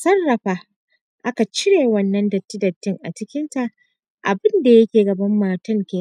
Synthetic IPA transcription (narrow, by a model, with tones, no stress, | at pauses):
sɐ˦nːɐ˨ɸaː˦ | ʔa˦ka˨t͡ʃɪ˦ɽeː˨wɐ˦nːɐ˦ndɐ˨tːɪ˦dɐ˨tːɪ˦ŋʔa̰˨t͡ʃɪ˦kʲɪ˦nta˨ʔ | ʔa˨bɪ˦nda˨jɐ˦kʲeː˨ɡɐ˨bɐ˦mːaː˨tɐ˦ŋkʲeː˨˦